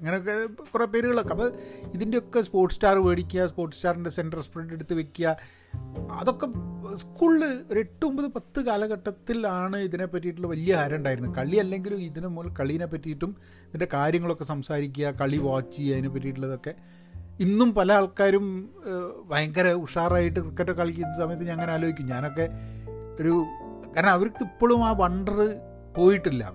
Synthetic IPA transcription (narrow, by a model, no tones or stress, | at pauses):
ɐŋːɐneokːekurepːe̞ːɾuɣɐɭo̞kːeɐpːɐiðinde̞o̞kːespo̞ːrʈːɨstaːrʋeːɽikʲːujɐspo̞ːrʈːɨstaːrinde̞se̞nɖɐrspreɖeɽut̪ːɨʋe̞kʲːujɐ | ɐ̰ðo̞kːe̞skuːɭɾe̞ʈːuombɐðɨpɐt̪ːɨkaːlɐɣɐʈːɐt̪ːilaːɳɨiðine̞pːɐt̬ːijiʈ̬ːuɭːɐʋɐlijɐhaːɾɐuɳɖaːjiɾunːukɐɭiɐlːe̞ŋɡilumiðinemoːlɐkɐɭijinepːɐtːijʈːum | iðinde̞kaːɾjɐŋːɐɭo̞kːe̞sɐmsaːɾik̬ʲːuɐkɐɭiʋoːt͡ɕːiɐðinep̬ːɐt̬ːijiʈ̬ːuɭːɐðo̞kːe̞ | inːumpɐlɐaːɭkaːɾum | bʱɐjɐŋɡɐɾɐuʂaːraːjiʈ̬ːɨkrikːɐʈːokːaːɭkʲːiɐnːɐsɐmɐjɐt̪̬ːɨɲanɐŋːɐneaːloɡikʲːumɲaːno̞kːe̞o̞ɾu | kaːɾɐɳɐmɐʋɐɾkːipːo̞ːɭumaːʋɐɳɖɐrɨ | po̞ːjiʈːilːɐ̰